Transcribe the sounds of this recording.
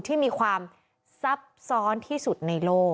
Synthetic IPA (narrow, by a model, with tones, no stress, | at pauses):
t̪ʰiː˥˩miː˧kʰwaː˧m | sa˦˥p̚sɔː˦˥nt̪ʰiː˥˩su˨˩t̪̚na˧jloː˥˩k